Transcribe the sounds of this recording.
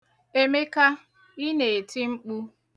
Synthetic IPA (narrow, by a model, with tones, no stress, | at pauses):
e˦me˦ka˦ | i˦ne˨e˨ti˦ŋ͡m̩˦k͡pu˦